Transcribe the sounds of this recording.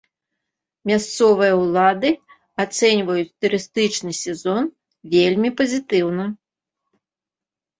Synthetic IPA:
mʲast̪sɔvɨjɐwlˠad̪ɨ | at̪sɛnʲvɐjut͡sʲt̪uɾɨst̪ɨt͡ʂnɨsʲɛzɔn | vʲelʲmʲipɐzʲit̪ɨwnɐ

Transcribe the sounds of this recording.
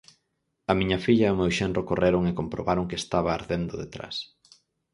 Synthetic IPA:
ɐmĩɲɐfiʎɐʊmewʃɛnrokorʔeɾʊŋekompɾoβaɾoŋkɪest̪aβɐːɾðend̪ʊðet̪ɾa̰s

